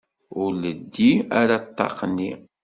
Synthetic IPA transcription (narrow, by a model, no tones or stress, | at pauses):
ʊɾləd̪ːiaɾat̪ːɑ̰qnːi